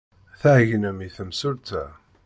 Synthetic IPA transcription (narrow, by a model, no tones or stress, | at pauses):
θæhʝənæmiθəmsʊɾt̪æ